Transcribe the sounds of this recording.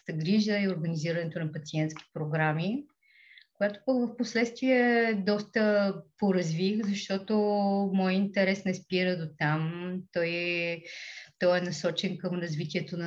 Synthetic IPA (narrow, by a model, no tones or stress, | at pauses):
t̪əɡɾiʒəioɾɡəniziɾənɛt̪onɐpɐt̪siɛnt̪sk̟i̥pɾoɡɾami | kojat̪o̥pəkvəfposlɛt̪st̪viɛd̪ɔst̪əpoɾɐzvixzɐʃt̪ɔt̪omɔjint̪ɛɾɛsnɛspiɾəd̪ot̪amt̪ɔj | t̪ɔjɛnɐsɔt͡ʃɛnkəmɾɐzvit̪iɛt̪onɐ